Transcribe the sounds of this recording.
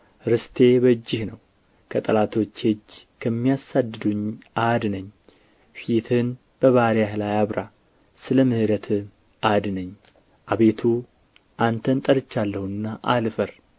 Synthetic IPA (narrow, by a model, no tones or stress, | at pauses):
ɾɨst̪ʰe̞bəd͡ʒːɪhnəw | kʰət̪ʼəlat̪ʰo̞t͡ʃːhed͡ʒːkʰəmːijasad̪ːɨd̪uɲːʔad̪nəɲː | fit̪ʰɨn | b̥əβaɾjahlajaβɾa | sɨləmɨhɨɾət̪ʰɨ | ʔad̪nəɲː | ʔaβe̞t̪ʰu | ʔant̪ʰənt̪ʼəɾɨt͡ʃːalːəhunɨnːaʔalfəɾ